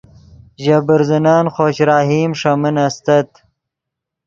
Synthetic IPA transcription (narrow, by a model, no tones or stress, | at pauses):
ʑɐbəɾzinaːnxoːɕɾaːɦiːmʂɐminɐst̪ɐt̪